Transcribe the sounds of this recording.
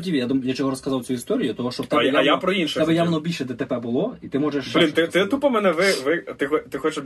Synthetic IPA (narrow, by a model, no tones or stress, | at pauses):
dʲiʋʲijad̪umjat͡ʃɔɦɔɾɔskɐzɑwt͡sʲuist̪ɔɾʲijʊt̪ɔɦɔʃt͡ʃɔt̪ɛɛjajapɾɔinʃɛɛbɛjamnɔbʲilʲʃɛd̪ʲɛt̪ɛbɛbʊlˠɔit̪ɪmɔʒɛʃbɾʲint̪ɪt̪ɪt̪upɐmɛnɛʋɪʋɪt̪ɪxɔt̪ɪxɔt͡ʃɛ